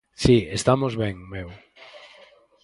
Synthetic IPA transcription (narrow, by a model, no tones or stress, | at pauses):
siest̪amozβɛŋmew